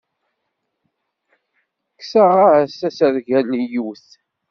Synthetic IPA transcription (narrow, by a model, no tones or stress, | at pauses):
kːsaʁaʕsæsəɾʝælijuθ